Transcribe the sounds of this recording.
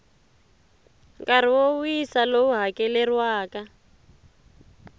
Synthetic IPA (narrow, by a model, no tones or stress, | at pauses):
kaɾ̤iwoujisalouɦakɛlɛrwaːka